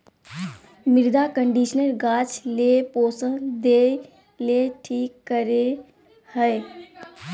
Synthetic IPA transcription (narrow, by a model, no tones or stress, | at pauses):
mɪɾd̪akə̃ɳɖiʃnəlɡaːt͡ʃleːpoːsə̃d̪eː | leʈʰiːkːəɾe | həe